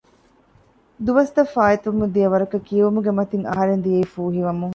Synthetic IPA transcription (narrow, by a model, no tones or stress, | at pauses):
d̪uʋɐst̪ɐfaːit̪uʋumud̪ijɐʋɐɾɐkɐkiɐʋumuɡemɐt̪iŋɐ̰ɦɐɾend̪ijɐifuːɦiʋɐmuŋ